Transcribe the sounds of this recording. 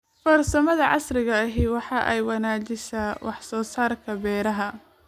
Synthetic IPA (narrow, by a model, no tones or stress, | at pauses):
fɐrsɐmɐðɐʕɑ̰srɪɣɐɐɦɪwɑħɑːʔɛjwɑnaːt͡ʃɪsɐwɑħsɔːsaːrkʰɐbɛːɾɐɦɐ